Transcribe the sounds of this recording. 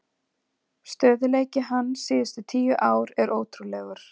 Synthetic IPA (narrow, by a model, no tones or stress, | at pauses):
st̪œːðʏleːjcɪɦanːsɪːðʏst̪ʏt̪ʰiːjʏʔaːwɾɛɾʔoːwt̪ʰɾulɛɣʏɾ̥